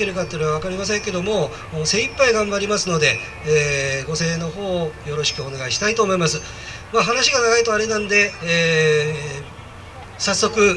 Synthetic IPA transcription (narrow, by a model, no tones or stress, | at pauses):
ke̞ɾɯ̟kat̪ːeɯɾɯβaβ̞akaɾʲimas̬ẽ̞ŋke̞d̪o̞mo | ose̞ːipːaiɡãmbaɾʲimasɨno̞d̪e̞ | eːɡo̞se̞ːno̞ho̞ːjo̞ɾo̞ɕi̥kɯ̟one̞ɡaiɕi̥t̪ait̪o̞ːmo̞imasɨ | maɦanaɕiɡanaɡait̪o̞aɾe̞nãnod̪e̞ | sasːo̞kɯ̟